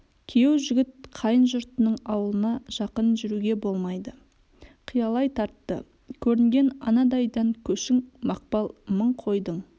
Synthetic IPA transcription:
kʲʰijewʒʏɡʲɪt̪̚qʰɑjənʒʊɾt̪ənəɴɑwəlˠənɑʒ̥ɑqənʒʏɾuɡʲe̞bo̞lˠmɑjd̪ə | qʰijɑlˠɑjt̪ʰɑɾt̪ːə̰ | kʲʰɵɾɪŋɡʲe̞nɑ̰nɑd̪ɑjd̪ɑŋkʲʰɵʃɪŋmɑq̚pɑlˠməɴqʰo̞jd̪əɴ

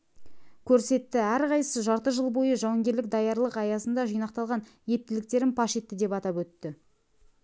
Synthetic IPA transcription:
kʲʰɵɾse̞t̪ːɪæɾqɑjsəʒɑɾt̪əʒəlˠbo̞jəʒɑwɑŋɡʲe̞ɾlɪk̚d̪ɑjɑɾlˠəqɑjɑsənd̪ɑʒijnɑqt̪ɑlˠʁɑn | je̞p̚t̪ɪlɪk̚t̪e̞ɾɪnpʰɑʃe̞t̪ːɪd̪e̞pɑt̪ɑpɵt̪ːɪ

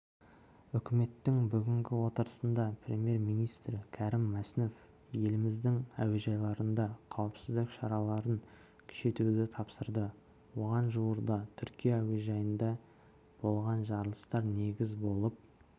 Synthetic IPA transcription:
ʏkʲɪme̞t̪ːɪŋbʏɡʲɪŋɡʲɪwo̞t̪əɾəsənd̪ɑpʰɾʲe̞mje̞ɾmijnijst̪ɾkʲʰæɾɪmːæsnuf | je̞lɪmɪzd̪ɪŋæ̰weʒɑjlˠɑɾənd̪ɑqʰɑwəpsɪzd̪ɪkʃɑɾɑlˠɑɾən | kʲʰʏ̥ʃe̞t̪ud̪ɪt̪ʰɑpsəɾd̪ə | wo̞ʁɑnʒuwəɾd̪ɑt̪ʰʏɾkʲijaːweʒɑjənd̪ɑ | b̥o̞lˠʁɑnʒɑɾəlˠəst̪ɑɾne̞ɡʲɪzbo̞lˠəp̚

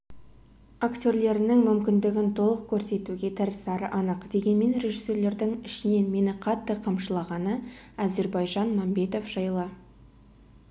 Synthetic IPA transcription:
akt̪ʲo̞ɾle̞ɾɪnɪŋmʏmkʲɪnd̪ɪɡʲɪnt̪ʰo̞lˠəq̚kʲʰɵɾse̞t̪uɡʲe̞t̪ʰɪɾɪsɑɾə̰ʔɑnəqd̪̥e̞ɡʲe̞nme̞nɾe̞ʒisːe̞rle̞ɾd̪ɪŋɪʃɪne̞nme̞nɪqʰɑt̪ːəqʰɑmʃəlˠɑʁɑnə | æze̞ɾbɑjʒɑnmɑmbe̞t̪o̞fʒ̥ɑjlˠə

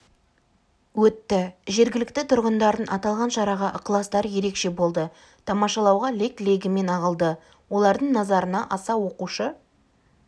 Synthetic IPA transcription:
wɵt̪ːɪʒe̞ɾɡʲɪlɪkt̪ɪt̪ʰʊɾʁənd̪ɑɾd̪ənʔɑt̪ɑlˠʁɑnʃɑɾɑʁɑʔəqlˠɑst̪ɑɾje̞ɾe̞kʃe̞bo̞lˠd̪ə | t̪ʰɑmɑʃɑlˠɑwʁɑle̞kle̞ɡʲɪme̞nɑʁəlˠd̪ə | wo̞lˠɑɾd̪əɴnɑzɑɾənɑʔɑsɑwo̞quʃə

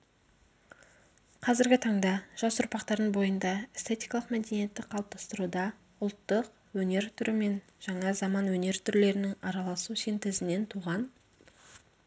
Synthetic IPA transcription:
qʰɑzɪɾɡʲɪt̪ʰɑɴd̪ɑʒ̥ɑsʊɾpɑqt̪ɑɾd̪əɴbo̞jənd̪ɑest̪ʰe̞t̪ʲijkɑlˠəqmæd̪e̞nije̞t̪ːɪk̚qʰːɑlˠp̚t̪ɑ̥st̪əɾud̪ɑ | ʊlˠt̪ːəq | wɵne̞ɾt̪ʰʏɾɪme̞n | ʒ̥ɑɴɑzɑmɑnwɵne̞ɾt̪ʰʏɾle̞ɾɪnɪŋɑɾɑlˠɑsusent̪ɪzɪne̞nt̪ʰuʁɑn

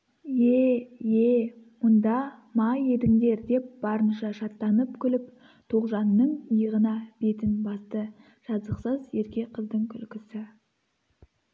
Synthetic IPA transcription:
jejemʊnd̪ɑmɑje̞d̪ɪŋd̪e̞ɾd̪e̞p̚b̥ɑɾənʃɑʃɑt̪ːɑnəpkʲʰʏlɪp | t̪ʰoʁʒɑnːəɴəjəʁənɑb̥e̞t̪ɪnbɑst̪ə | ʒ̥ɑzəqsəzje̞ɾkʲe̞qʰəzd̪əɴkʲʰʏlkʲɪsɪ

